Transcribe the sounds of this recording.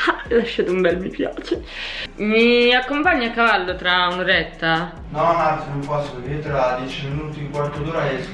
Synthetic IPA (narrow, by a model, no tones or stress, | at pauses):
alaʃːaːt̪umbɛlmipja̰ːt͡ʃemiakːompaɲːakːavalːot̪ɾaunɾɛt̪ːa | nɔnansinumpɔskevit̪ɾad̪jɛt͡ʃiminuːt̪iŋkwɔrt̪od̪uːɾae